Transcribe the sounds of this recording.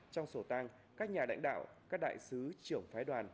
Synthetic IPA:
t͡ɕɔ˧wŋ͡mso˧˩t̪aː˧ŋ | kaː˦˥k̚ɲaː˨˩la̰˧˥jŋ̟ɗa̰ː˧˨wkaː˦˥k̚ɗa̰ː˧˨jsɨ˨˦t͡ɕɨ˧˩əŋfaː˨˦jɗwaː˨˩n

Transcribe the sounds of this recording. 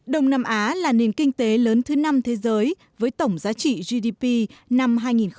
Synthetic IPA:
ɗə˨˩wŋ͡mnaː˧mʔaː˨˦laː˨˩ne˨˩nkï˧ŋ̟t̪e˨˦ləː˨˦nt̪ʰɨ˨˦na˧mt̪ʰe˨˦zəː˨˦j | vəː˨˦jt̪ə˧˩wŋ͡mzaː˨˦t͡ɕḭ˧˨zi˧ɗi˧pi˧na˧mɦaː˧jŋi˨˩n

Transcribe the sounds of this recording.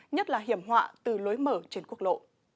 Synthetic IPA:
ɲə˦˥t̚laː˨˩ɦi˧˩əmɦwa̰ː˧˨t̪ɨ˨˩lo˨˦jməː˧˩t͡ɕe˧˩nku˦˥ək̚lo̰˧˨

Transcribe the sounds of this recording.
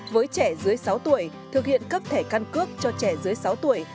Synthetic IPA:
vəː˨˦jt͡ɕɛ˧˩zɨ˨˦əjsa˨˦wt̪u˧˩əj | t̪ʰɨ˨˩ək̚hḭ˧˨ənkə˦˥p̚t̪ʰe˧˩ka˧nkɨ˦˥ək̚t͡ɕɔ˧t͡ɕɛ˧˩zɨ˨˦əjsa˨˦wt̪u˧˩əj

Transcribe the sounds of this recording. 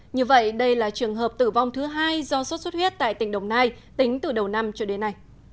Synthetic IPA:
ɲɨ˧və̰˧˨jɗə˧jlaː˨˩t͡ɕɨ˨˩əŋɦəː˨˩p̚t̪ɨ˧˩va˧wŋ͡mt̪ʰɨ˨˦ɦaː˧jzɔ˧swt̚swt̚hwi˦˥t̚t̪a̰ː˧˨jt̪ï˧˩ŋ̟ɗə˨˩wŋ͡mnaː˧j | t̪ï˨˦ŋ̟t̪ɨ˨˩ɗə˨˩wna˧mt͡ɕɔ˧ɗe˨˦nːa˨˧˩j

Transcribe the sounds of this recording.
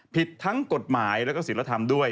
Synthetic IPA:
pʰi˨˩t̪ʰːa˦˥ŋko˨˩t̪̚maː˩˦jlɛː˦˥wkɔː˥˩si˩˦la˧˩t̪ʰa˧md̪u˥˩əj

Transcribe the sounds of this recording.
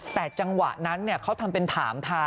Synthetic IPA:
t̪ɛː˨˩t͡ɕa˧ŋwa̰˨˩ʔna˦˥nːi˥˩ɐkʰa˦˥wt̪ʰa˧mpe˧nt̪ʰaː˩˦mt̪ʰaː˧˥

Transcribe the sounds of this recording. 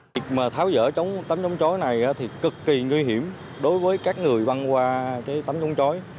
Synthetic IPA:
i˨˩k̚maː˨˩t̪ʰaː˨˦wzə̰ː˧˥t͡ɕə˨˦wŋ͡mt̪a˨˦mt͡ɕɔ˨˦wŋ͡mt͡ɕɔ˨˦jna˨˩jʔaː˨˦t̪ʰi˨˩kɨ˨˩kːi˨˩ŋwi˧ɦi˧˩əm | ɗo˨˦jvəː˨˦jkaː˦˥k̚ŋɨ˨˩əjva˧nkwaː˧kaː˨˦jt̪a˨˦mt͡ɕɔ˨˦wŋ͡mt͡ɕɔ˨˦j

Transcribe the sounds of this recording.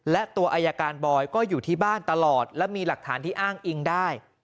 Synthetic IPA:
lɛ˦˥ʔt̪u˧ɐʔaː˧jaː˧kaː˧nbɔː˧jkɔː˥˩juː˨˩t̪ʰiː˥˩baː˥˩nt̪a˧lɔː˨˩t̪̚lɛ˦˥miː˧la˨˩k̚t̪ʰaː˩˦nt̪iː˥˩ʔaː˥˩ŋʔi˧ŋdaː˥˩j

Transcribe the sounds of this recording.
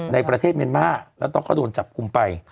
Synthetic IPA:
na˧jpɾa˧eː˥˩t̪̚mi˧ənmaː˥˩lɛ˦˥wt̪ɔ˥˩kɔː˥˩du˧ənt͡ɕa˨˩p̚ku˧mpa˧j

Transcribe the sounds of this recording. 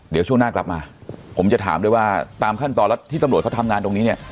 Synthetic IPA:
di˩˦t͡ɕʰu˥˩ŋnaː˥˩kla˨˩p̚maː˧pʰo˩˦mt͡ɕa˨˩t̪ʰa̰ː˩˦mdu˥˩əjwaː˥˩t̪aː˧mkʰa˥˩nt̪ɔː˧nlɛ˦˥wt̪ʰiː˥˩t̪a˧mɾ̚kʰa˥˩tʰa˧mŋaː˧nt̪o˧ŋniː˦˥ni˥˩ɐ

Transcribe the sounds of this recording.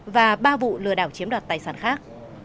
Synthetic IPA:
vaː˨˩ɓaː˧vṵ˧˨lɨ̰˧˩əɗaː˧˩wt͡ɕi˨˦əmɗwaː˨˩t̚t̪aː˨˩jsaː˧˩nxaː˦˥k̚

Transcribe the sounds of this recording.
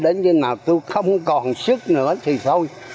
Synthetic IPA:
ɗe˨˦nkə˧naː˨˩wt̪u˧xə˧wŋ͡mkɔ˨˩nsɨ˦˥k̚nɨ̰˧˥ət̪ʰi˨˩sə˧wj

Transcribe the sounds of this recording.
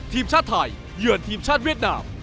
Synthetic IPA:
t̪ʰiː˧mt͡ɕʰaː˥˩t̪ʰːa˧˩jːɯ˨˩ənt̪ʰiː˧mt͡ɕʰaː˥˩t̪̚wi˥˩ət̪̚naː˧m

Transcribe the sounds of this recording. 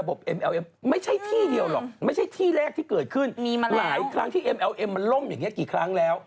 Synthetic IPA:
a˧bo˨˩p̚ʔe˧mʔɛː˧wʔe˧mma˥˩jt͡ɕʰa˥˩jt̪ʰiː˥˩di˧əwlɔ̰˨˩k̚ma˥˩jt͡ɕʰa˥˩jt̪ʰiː˥˩lɛː˥˩k̪̚ʰiː˥˩kɤː˨˩t̪̚kʰɯ˥˩ni˧laː˩˦jkʰɾa˦˥ŋt̪ʰiː˥˩ʔe˧mʔɛ˧wʔe˧mːa˧nlo˥˩mjaː˨˩ŋːni˦˥ɐkiː˨˩kʰɾa˦˥ŋlɛː˦˥w

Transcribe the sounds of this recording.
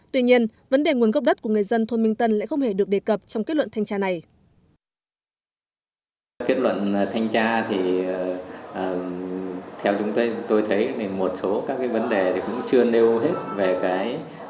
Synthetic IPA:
t̪wi˧ɲi˧ənvə˨˦nɗe˨˩ŋu˨˩ənɣə˦˥k͡p̚ɗə˦˥t̚ku˧˩ŋ˨˩ə˩jzə˧nt̪ʰo˧nmï˧ŋt̪ə˧nla̰ː˧˨xə˧wŋ͡mhe˧˩ɗɨ˨˩ək̚ɗe˨˩kə˨˩p̚t͡ɕɔ˧wŋ͡mkːt̚lwə̰˧˨nt̪ʰjŋt͡ɕaː˧na˨˩j | ke˦˥t̚lwə̰˧˨n˩t̪ʰa˧jŋ̟t͡ɕaː˧t̪ʰi˨˩˨ | ʔəː˨˩ | t̪ʰɛ˧wt͡ɕʊ˨˦ŋ͡mt̪o˧jt̪o˧jt̪ʰə˨˦jt̪ʰi˨˩mo˨˩t̚so˨˦kaː˦˥k̚ːaː˨˦jvə˨˦nɗe˨˩t̪ʰi˨˩kʊ̰˧˥ŋ͡mt͡ɕɨ˧əne˧wɦe˦˥t̚ve˨˩kaː˨˦j

